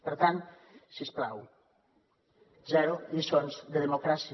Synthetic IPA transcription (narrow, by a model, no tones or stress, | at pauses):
pəɾt̪an | sisplaw | zɛɾumisonzðəðemokɾasi